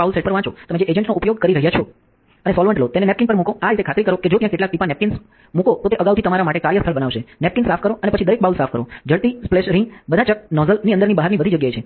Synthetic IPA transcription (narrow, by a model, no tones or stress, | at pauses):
aulseʈpəɾʋãt͡ʃʰot̪əmẽd͡ʒeʔed͡ʒəɳʈnoupjoɡ̚kəɾiɾəɦjat͡ʃʰo | ənesɔlʋəɳʈlot̪enenɛp̚kɪnpəɾmũkoaɾit̪ekʰat̪ɾikəɾoked͡ʒok̪jãkeʈlak̚ʈipanɛp̚kins | mũkot̪ot̪eʔəɡawt̪ʰit̪əmaɾamaʈekaɾjəst̪ʰəlbənaʋʃenɛp̚kinsafʰkəɾoənepət͡ʃʰid̪əɾek̚baulsafʰkəɾo̰d͡ʒəɭt̪ispleʃɾəĩbəd̪ʱat͡ʃək̚nɔzəlniənd̪əɾnibaɦaɾnibəd̪ʱid͡ʒəɡjajt͡ʃʰe